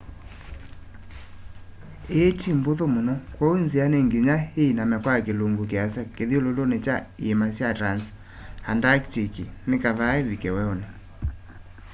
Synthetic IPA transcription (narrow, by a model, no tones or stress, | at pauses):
etimboðomonɔkwɔonzianeŋɡiɲaheinamɛkwakeloŋɡokeasakeðiololonet͡ʃaiemasjatɾans | handaktikinekaðaevikɛwɛone